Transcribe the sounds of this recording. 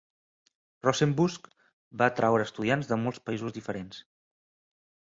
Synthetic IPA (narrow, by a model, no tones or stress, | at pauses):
rɔsembusk | bat̪ɾawɾəːst̪uðianzðəmolˠspəizuzðifəɾens